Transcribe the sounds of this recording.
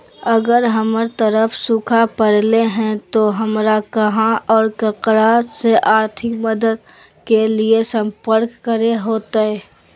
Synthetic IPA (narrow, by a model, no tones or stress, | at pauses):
əɡəɾɦɐməɾt̪əɾəfʰsʊkʰapəɽleɦɛ̃t̪oɦɐmɾakɐɦãʔɔːɾkɐkɾaseʔaːɾt̪ʰɪkməd̪əd̪̚ | keliesə̃mpəɾkːəɾeɦoːt̪aɦɛː